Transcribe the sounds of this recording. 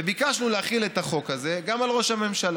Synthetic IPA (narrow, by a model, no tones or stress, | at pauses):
ebikaʃnuleaχile̞t̪aχo̞kaze̞ɡamalʁo̞ʃhame̞mʃal